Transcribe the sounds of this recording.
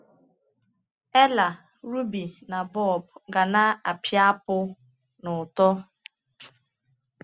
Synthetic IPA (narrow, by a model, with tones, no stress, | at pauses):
e˦la˨ | ɾu˦bi˨na˨bɔ˦˨bɡa˨na˦a˨pja˦pʊ˦ | nʊ˨tɔ˦